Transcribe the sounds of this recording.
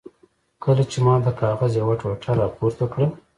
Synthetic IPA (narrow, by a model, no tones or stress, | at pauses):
kəlat͡ʃemɑd̪əkɑɣazjawaʈoʈʰaɾɑpoɾt̪əkɽə